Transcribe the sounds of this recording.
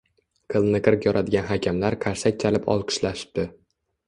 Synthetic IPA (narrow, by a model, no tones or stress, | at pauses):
qʰɨlˠnɨqʰɨɾkjɒɾʔad̪ɪɡʲanɦakʲʰamlaɾqʰaɾsak̚ʲt͡ʃʰalɪpʰɒ̰lˠqʰɨ̥ʃlaʃɪ̥p̚d̪̥ɪ